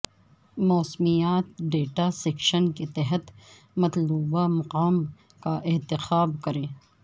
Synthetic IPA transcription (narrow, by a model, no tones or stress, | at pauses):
mɔːsmijaːt̪ɖeːʈasekʃənket̪ɛɦət̪ | mɐt̪luːbamɐqaːm | kaʔɪɦt̪ɪxaːbkɐɾẽː